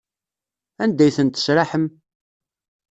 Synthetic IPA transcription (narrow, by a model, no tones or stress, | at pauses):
ænd̪æjθənt̪ːə̥sɾaħəm